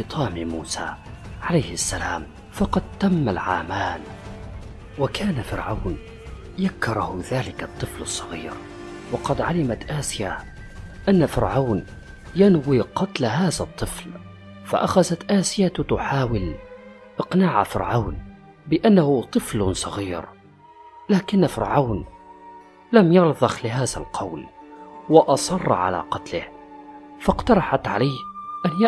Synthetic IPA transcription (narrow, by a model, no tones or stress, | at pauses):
ɨt̪ˤʰɑːmimuːsa̰ | ʕalajhɪʔasːalaːm | fɑqɑd̪̚t̪amːalʕaːmaːn | wakʰaːnafɪɾʕawn | jakːɑɾˤɑhʊðaːlɪkat̪ˤːɨflɨsˤːɑɣiːɾ | wɑqɑd̪ʕalɪmat̪ʔaːsɪja | ʔanːafɪɾʕaːn | janwiqɑt̪laɦaːðat̪ˤːɨfl | fa̰ʔaxazat̪ʔaːsɪjat̪ʊħaːwɪl | ʔɪqnaːʕa̰fɪ̰ɾʕawn | bɪʔanːahʊt̪ˤɨflsˤɑɣiːɾ | laːkɪnːfɪɾʕaːn | lamjɑɾˤðˤɑxlɪɦaːða̰lqʰɑwlwɪʔɑsˤɑr̰ˤːʕa̰la̰qɑt̪lɪ̰h | fɑqt̪ɑɾˤɑħat̪ʕa̰laːhʔan